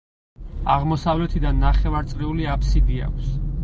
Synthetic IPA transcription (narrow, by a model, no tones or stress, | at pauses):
aʁmɔsavlɛt̪ʰid̪anːaχɛvaɾt̪sʼɾiuliapʰsid̪ia̰kʷʰs